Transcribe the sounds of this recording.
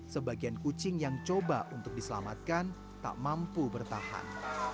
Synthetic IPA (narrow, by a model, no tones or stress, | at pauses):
səbaɡiankut͡ʃɪŋjaŋt͡ʃobaʔunt̪ʊk̚disəla̰mat̪̚kan | t̪a̰ʔmampubərt̪aha̰n